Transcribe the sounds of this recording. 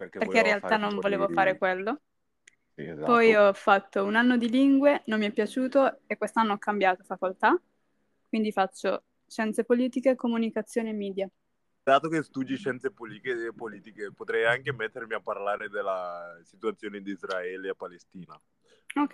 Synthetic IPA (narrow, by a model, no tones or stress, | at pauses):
pekpeɾreinrealanːoɱvoleːvofaːɾekwelːo | pɔjɔfːat̪ːounanːod̪iliŋɡwenomːiɛpːjat͡ʃuːt̪oekwest̪anːoɔkʰːambjaːt̪ofakolt̪a | kwind̪ifat͡ʃːo | ʃɛnt̪sepoliːt̪ikekomunikat̪sːjoːneemːiːd̪ja | d̪̥aːt̪okest̪ud̪jiʃɛnt̪sepolikepoliːt̪ikepot̪ɾɛjaŋkemɛt̪ːermiapːarlaːɾed̪elːasit̪uat̪sːjoːned̪iizɾaɛːleapːalest̪iːna | ok